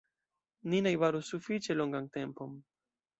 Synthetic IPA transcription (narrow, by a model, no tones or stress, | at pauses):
ninajβaɾusufit͡ʃeloŋɡaŋt̪e̞mpom